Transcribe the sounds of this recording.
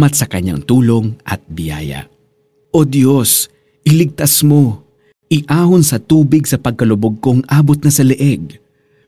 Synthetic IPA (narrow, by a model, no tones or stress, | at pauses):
mɐt̪̚sɐkɐɲːa̰ŋt̪uːlo̞ŋʔɐ̰t̪̚bɪja̰ːjɐ̰ | ʔod̪jo̞s | ʔɪlɪɡ̚t̪ɐsmo̞ | ʔɪʔaːhonsɐt̪uːbɪɡsɐpɐɡ̚kɐlʊboɡ̚ko̞ŋʔaːbot̪̚nɐsɐlɛʔɛɡ̚